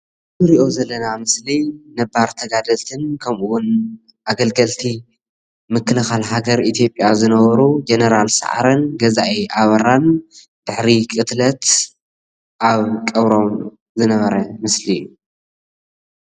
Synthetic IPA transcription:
ɨzɨɾiʔo̞zɐlːɐnamɨslinɐbaɾt̪ʰɐɡad̪ɐlt̪ʰɨnkʰɐmʔuwʊn | ʔaɡɐlɡɐlt̪ʰi | mɨkʰːɨlɨxalɦaɡɐɾʔit̪ʰjo̞pʼjazɨnɐβɐɾud͡ʒenɐɾalsa̰ʕa̰ɾɐnɡɐzaʔeʔaβɐɾan | d̪̥ɨħɾikʼɨt̪lɐt̪ | ʔaβkʼɐβɾo̞m | zɨnɐβɐɾɐmɨsli

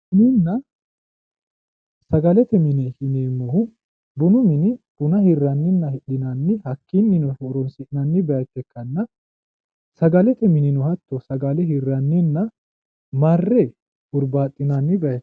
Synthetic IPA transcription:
sɪnɪnːɐ | sɐɡɐlɛt̪ɛmɪnehɪneːmːɔhʊ | bʊnʊmɪnɪb̥ʊnɐhɪrːɐnːɪnːɐhɛɗɪnɐnːɪhɐkːinːɪnɔfɔɾɔnsɪʔnɐnːɪbɛjɐt̪ːɛkːɐnːɐ | sɐɡɐlɛt̪ɛmɪnɪnɔhɐt̪ːɔsɐɡɐlɛɦɪrːɐnːɪnːɐ | maːrːɛ | ʔʊɾbaːt̪ʼːɪnɐnːɪbɛɐt̪ː

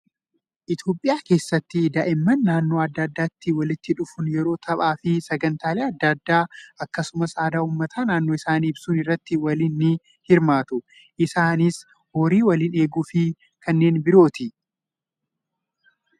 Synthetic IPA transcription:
ʔɪt̪jo̞ːpʼːɪjaːke̞ːsːɐt̪ːɪd̪aʔɪmːɐnːaːnːo̞ːɐd̪ːɐd̪ːaːt̪ːɪwɐlɪt̪ːɪᶑʊfʊnjɛɾo̞ːt̪ʰɐɓaːfɪsɐɡɐnt̪aːleːɐd̪ːad̪ːaːʔɐkːɐsʊmɐsaːd̪aːuːmːɐt̪ʰaːnaːnːoːɪsaːniːbsunɪrːɐt̪ːɪwɐlɪnːɪ | hɪɾmaːt̪ʊ | ʔɪsaːnɪs | hoːɾiːwɐliːne̞ːɡuːfɪ | kʰɐnːe̞ːnbɪɾo̞ːt̪ɪ

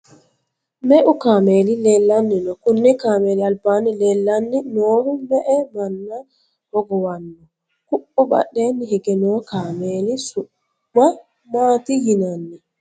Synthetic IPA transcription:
mɛʔukaːmelilɛlːanːinɔkunːikaːmelialbanilɛlːanːinɔːɾubɛʔɛmanːa | hɔɡɔwanːɔ | kuʔːɔɓa̰ɗːɛnihɛɡɛnɔkamelisuː | a | maːtijinanːi

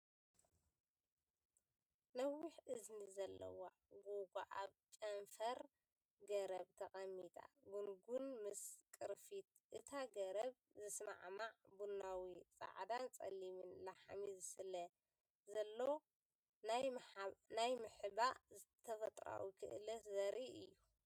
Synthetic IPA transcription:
nɐwiħʔɨznizɐlːɐ̰wa | ɡoɡa̰ʔaβt͡ʃʼɐnfɐɾ | ɡɐɾɐβt̪ʰɐχʼɐmːit̪ʰʼa̰ɡunɡunmɨskʼɨɾfit̪̚ʔɨt̪ʰaɡɐɾɐβ | zɨsma̰ʕmaʕbunːawit͡sʼa̰ʕd̪ant͡sʼɐ̰limɨnlaħamizsɨlɐ | zɐlːow | najnajmɨħɨbaɨt̪ʰɐfɐt̪ʼɾa̰wikʰɨ̰ʔɨlɐzɐɾiʔɨjːu

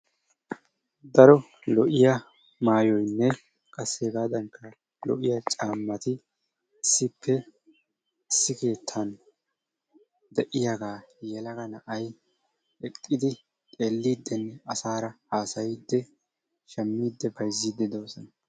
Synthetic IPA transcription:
d̪ɐɾɔ | lɔʔɪjɐ | maːjɔjnːɛ | kʼɐsːeːɡaːd̪ɐŋkʰːɐ | lɔ̰ʔɪjɐt͡ʃʼaːmːɐt̪ɪ | ɪsːɪpʰːɛ | ɪsːɪke̞ːt̪ʰːɐn | d̪ɛʔɪjaɡaːjɛlɐɡɐnɐʔɐj | ɛkʼːɪd̪ɪ | t̪ʼe̞ːlːiːd̪ːɛnːɐsaːɾɐhaːsɐjɪd̪ːɛ | ʃɛmːiːd̪ːɛbɐjzːiːd̪ːɛd̪oːsɔnɐ

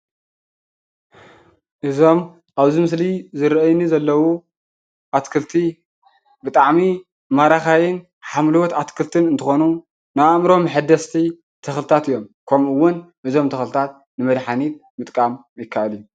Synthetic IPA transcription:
ʔɨzo̞m | ʔaβzimɨslizɨɾʔɐjnizɐlːɐwu | ʔat̪kʰɨlt̪ʰi | bɨt̪ʼaʕmi | maɾaxajɪn | ħamlwot̪at̪kʰɨlt̪ʰɨnɨnt̪ʰɨxonu | najamɾo̞mħɨd̪ɐst̪ʰi | t̪ʰɐxlɨt̪ʰat̪ɨjːo̞mkʰɐmɨwːʊnʔɨzo̞mt̪ʰɐxlɨt̪ʰat̪̚ | nɨmɐd̪ħanit̪̚mɨt̪ʼkʼam | jɪkʰːaʔɐliju

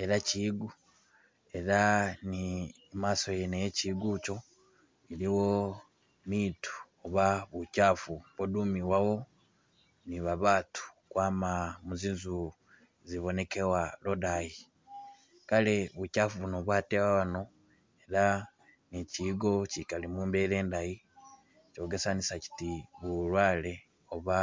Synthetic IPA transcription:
eɾaciɡu | e̞ɾani | maːso̞jenejeciɡut͡ʃo̞ | iliwo̞ | mitu̥ | oβaβucaːfuβodumiwawo̞ | niβaβatu̥kwaːmamuziːnzu | ziβo̞ne̞kewalodaji | kale̞βucaːfuβunoβwatewaβano̞ | eɾa | niciɡo̞cikalimuːmbeɾe̞ːndaji | co̞ːɡe̞sanisaci̥tiβulwaːle̞ | oβa

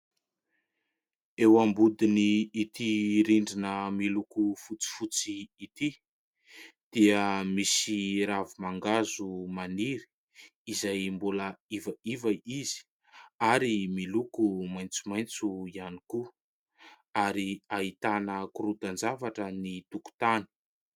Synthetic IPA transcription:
ewambud̪iniːt̪iɾiɳɖ͡ʐinəmilukufut͡si̥fut͡siːt̪i | d̪̥iəmisiɾavimaŋɡazumaniɾi̥ː | zajmbuləivəivaizi̥ | aɾimilukumajnt͡sumajnt͡suianiku | aɾiaɦit̪anəkuɾud̪and͡zavaʈ͡ʂənit̪uku̥t̪ani̥

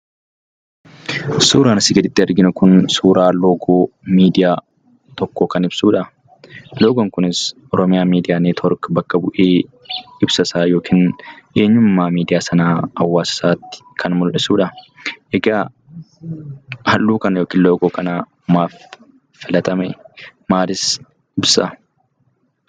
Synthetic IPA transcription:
suːɾaːnɐsɪɡɐd̪ɪt̪ːɪɐɾɡɪnʊkʊnsuːɾʔaːloːɡoːmiːd̪ɪjaː | t̪ɔkːoːkɐnɪbsuːᶑɐ | loːɡoŋkʊnɪsʔɔɾɔmɪjaːmiːd̪ɪjaːneːt̪ʰɔɾkbɐkːɐbʊʔeː | ɪbsɐsaːjoːkʰiːnʔeːɲːʊmːaːmiːd̪ɪjaːsɐnaːhɐwːaːsɪ̥saːt̪ːɪ̥kʰɐnmʊlʔɪsuːᶑɐʔɛɡaː | hɐlːuːkɐnjoːkiːnloːɡoːkɐnaː | maːfː | ɪlɐt̪ɐmɛmaːlɪs | ɪbsɐ̰

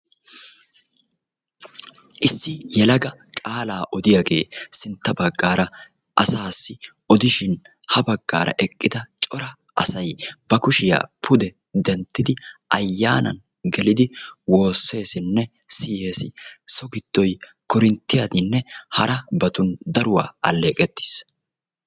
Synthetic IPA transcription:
ʔɪsːɪjɛlɐɡɐ | kʼaːlaːʔɔd̪ɪjɐɡe̞ːsɪnt̪ːɐbɐɡːaːɾɐ | ʔɐsaːsːɪ | ɔd̪ɪʃɪn | hɐbɐɡːa̰ːɾʔɐ̰ʔɛkʼːɪd̪ɐt͡ʃʼɔɾɐ | ɐsɐjbɐkʊʃɪja̰ːpʰʊd̪ɛ | d̪ɛnt̪ːɪd̪ɪʔɐjːaːnɐ̰n | ɡɛlɪd̪ɪwo̞ːsːe̞ːsɪnːɛ | sɪje̞ːsɪsɔɡɪd̪̥ːɔj | kɔɾɪnt̪ːɪjɐd̪ɪnːɛhɐɾɐbɐt̪ʊnd̪ɐɾʊwa̰ːɐlːeːkʼɛt̪ːɪ̥s

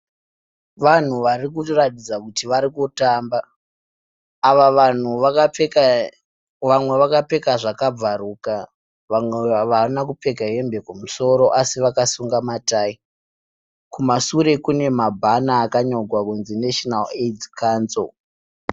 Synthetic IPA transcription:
ʋan̤uʋarik̬uratid͡zakutiʋaɾikutamba | ʋaan̤u | ʋamwe̞ʋakape̞kaʐakab͡varuːka | eʋanak̬upe̞kaɦe̞mbe̞kumuso̞ɾo̞ʔasiʋakasuŋɡamataːi | kumasuɾe̞kune̞mabʱanaːkaɲo̞ɡʱwakunzineʃonaledkanso̰l

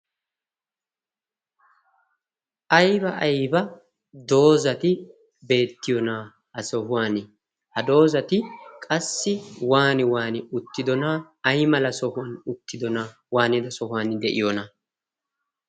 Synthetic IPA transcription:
ʔɐjbɐʔɐjbɐ | d̪o̞ːzɐt̪ɪ | be̞ːt̪ːɪjɔnɐ | hɐsɔhʊwaːnɪ | hɐd̪o̞ːzɐt̪ɪkʼɐsːɪwaːnɪwaːnɪʊt̪ːɪd̪ɔnɐː | jmɐlɐsɔhʊwɐnʊt̪ːɪd̪ɔnɐ | waːnɪd̪ɐsɔhʊwaːnd̪ɛʔɪ̰jɔnɐ

